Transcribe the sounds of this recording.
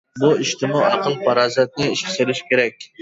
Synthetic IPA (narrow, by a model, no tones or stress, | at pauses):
buiʃt̪ʰɪmuɑqʰəlˠpʰɑɾɑːzɛt̪̚nɪiʃkʰʲɪ̥selɪʃkʲeɾɛkʲ